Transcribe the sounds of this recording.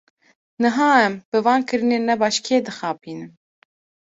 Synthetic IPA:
nɨɦɑːɛmb̥ɨvɑːnkʰɨɾɨneːnːɛbɑːʃkʰeːd̪ɨxɑːpʰiːnɨm

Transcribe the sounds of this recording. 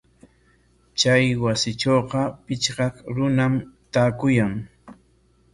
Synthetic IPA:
t͡ʃajwasɪt͡ʃoːqɑpɪt͡ʃɢɑkɾʊnamt̪aːkʊjaŋ

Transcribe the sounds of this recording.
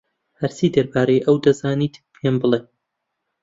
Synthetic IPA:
hɐɾsiːd̪ɐɾbaːɾejʔɐwd̪ɐzaːniːt̪pʰembɨlˠe

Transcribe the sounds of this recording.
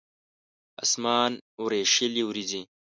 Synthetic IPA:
ɐ̰smaːnuɾeːʂiliwuɾid͡ʑi

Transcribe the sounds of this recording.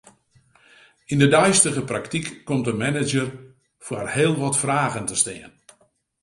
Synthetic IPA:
indədœɥstəɣəpraktikːɔmtəmɛnɪd͡ʒər | fwərheːlˠʋɔtfraːɣəntəstɪːən

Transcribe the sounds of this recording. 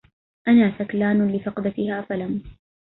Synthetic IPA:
ʔanaːsaklaːnlɪfɑqd̪at̪ɪhaːfalam

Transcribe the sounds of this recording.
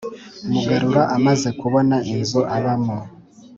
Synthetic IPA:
muɡaɾuɾaʔamaze̞kuβo̞nainzoʔaβamo

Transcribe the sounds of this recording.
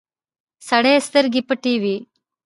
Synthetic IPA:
sɐɽeːst̪ɐɾɡipːɐʈiːʋi

